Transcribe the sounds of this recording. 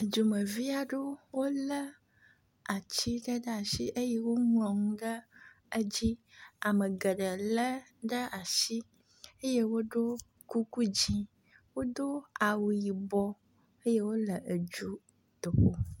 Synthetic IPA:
ə˨d͡ʒu˨mə˨vi˦a˦ɖo˦wo˦lə˦ | a˨t͡ɕi˦ɖə˦ɖə˦a˨ʃi˦ʔe˦je˦wo˦ŋlɔ̃˨ŋũ˦ɖə˦ | ə˦d͡ʑi˦a˨mə˨ɡə˨ɖə˨lə˦ɖə˦a˨ʃi˦ | e˦je˦wo˦ɖo˦ | ku˦ku˦d͡ʑi˦ | wo˦d̪o˦a˨wu˨ji˨bɔ˦ | e˦je˦wo˦lə˨ʔə˨d͡ʒu˦ | t̪o˨ɸo˦

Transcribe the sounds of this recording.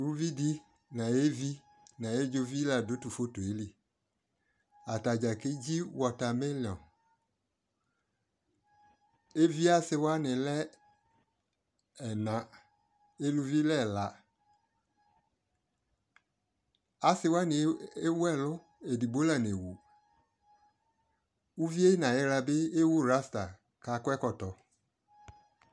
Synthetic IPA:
lu˦vi˦di˦ | nã˨e˦vi˦ | nã˨e˦d͡ʒo˦vi˦la˨dʊ˨˦tu˨fo˦to˨e˦li˦ | a˨ta˨d͡ʒa˨ke˦d͡ʒi˦wɔ˨ta˨mɪ˦lɪ˨ɔ˨ | e˦vi˦a˦sɪ˦wa˦nɪ˨lɛ˦ | ɛ˨nã˨ | e˦lu˧vi˦lɛ˦˨la˨ | a˨sɪ˧wa˦nɪ˨e˦wu˦ɛ˦˨lʊ˦ | e˨di˨ɡ͡bo˨˦la˨n˨e˨wu˨ | u˦vi˦e˦nã˨jɪ˦ɾa˧bɪ˦e˦wu˦˨ɾa˦sta˨ | ka˨˦kɛ˦kɔ˨tɔ˨

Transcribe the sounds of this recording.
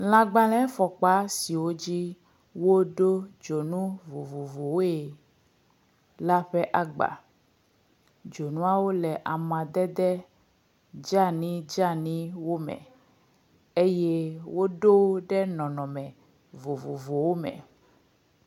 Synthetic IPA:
l̃ã˨ɡ͡bã˨lɛ̃˦fɔ˨k͡pa˦si˨wo˦d͡ʑi˦ | wo˦ɖo˦d͡ʒo˨nũ˦vo˨vo˨vo˨wo˦e˨ | la˦ɸɛ˦ʔa˦ɡ͡ba̰˨ | d͡ʒo˨nũ˦a˦wo˦lɛ˨ʔa˨mã˨d̪ɛ˦d̪ɛ˦ | d͡ʒa˦nĩ˦d͡ʒa˦nĩ˦wo˦mɛ̰̃˨ | e˦je˦wo˦ɖo˦wɖɛ˦nɔ̃˨nɔ̃˨mɛ̃˨ | vo˨vo˨vo˨wo˦mɛ̰̃˨

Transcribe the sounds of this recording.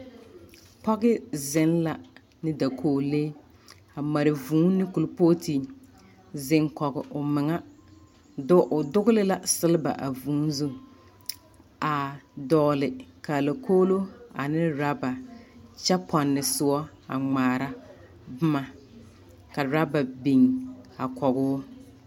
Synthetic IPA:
pɔ˦ɣɪ˦zɪ˦nla˨ | nɪ˦da˨kʰoː˦˨leː˦ | a˨ma˨ɾɪ˨vũː˨˦nɪ˦kʊ˨lpoː˦tʰi˨ | zɪ˨ŋkɔ˨ɣɪ̰˨ʔʊ˨mɪ˨ŋa˦ | dʊ˦ʔʊ˨dʊ˦ɣʊ˦lɪ˦la˦sɪ˦lɪ˦ba̰˨ʔa˨vũː˨˦n˦zu˦ | a˨dɔː˨lɪ˨ka˨la˨kʰoː˦lo˦a̰˨nɪ˦ɾa˦ba˨t͡ʃɛ˦pʰɔ˨nːɪ˨sʊ˦ɔ˦ | a̰˨ŋ͡maː˨ɾa˦ | bʊ˦ma˨ | ka˨ɾa˦ba˨bi˨ŋa˨kɔ˨ɣʊː˦

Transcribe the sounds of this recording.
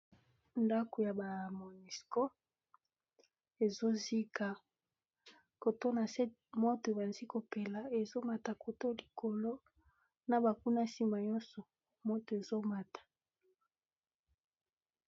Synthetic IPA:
nda˦ko˨ja˨ba˨mo˨ni˨sko˦ | e˨zo˦zi˦ka˨ | ko˨to˦na˨se˦ | mo˦to˨e˨ba˨nzi˦ko˨pe˨la˨e˨zo˦ma˨ta˨ko˨to˦li˨ko˨lo˦ | na˨ba˨ku˦na˦si˨ma˨ɲɔ̃˦nsɔ˨ | mo˦to˨e˨zo˦ma˨tḁ˨

